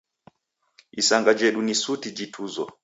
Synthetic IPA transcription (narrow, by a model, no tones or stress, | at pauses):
isaŋɡad͡ʒɛɗunisutid͡ʒitʰuzɔ̰